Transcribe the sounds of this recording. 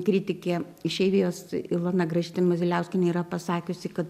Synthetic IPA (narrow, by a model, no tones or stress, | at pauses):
kɾʲit̪ʲɪkʲeː | ɪʃʲɛɪʋʲijoːsɪlˠɐnɐɡɾɐʒʲit̪ʲɪmozʲɪlʲɛʊsʲkʲɪnʲɛiɾɐpɐsɑːkʲʊsʲɪkɐt̪